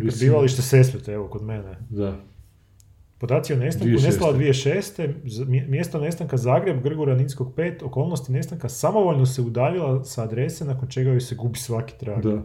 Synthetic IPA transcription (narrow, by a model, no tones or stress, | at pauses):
biːʋalˠiʃt̪esespet̪eeʋo̞ko̞d̪mened̪a | pod̪aːt̪sijonest̪akunest̪alad̪ʋieʃeːst̪e̞zmmje̞st̪one̞st̪aŋkazaːɡɾe̞bɡr̩ɡuɾaninsko̞ɡpe̞ːt̪oko̞ːlˠno̞st̪ine̞st̪aŋkasamo̞ʋo̞ʎnoseud̪aːʋilˠasaːd̪ɾe̞senakont͡ʃe̞ɡajojseɡubisʋaki̥t̪ɾaɡ̪